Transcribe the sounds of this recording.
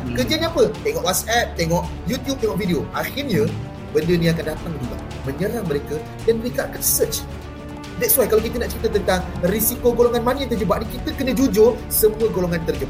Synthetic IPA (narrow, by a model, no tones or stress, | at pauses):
kərd͡ʒianĩapət̪eŋɔʔwat̪̚sɛp̚t̪eŋɔʔjut̪jub̪̚eŋɔʔvidioʔaxirɲə̃ | bəndəniak̬andat̪aŋd͡ʒuɡa̰ | mə̃ɲəɾaŋməɾeka | danməɾekaʔakanisət͡ʃ | dɛtswajkalawkit̪ənaʔt͡ʃəɾit̪at̪ənt̪aŋrisikoɡoloŋanmanəjãŋt̪ərd͡ʒəbaʔ̚nikit̪əkənə̃d͡ʒud͡ʒʊrsəmũəɡoloŋant̪ərd͡ʒəbaʔ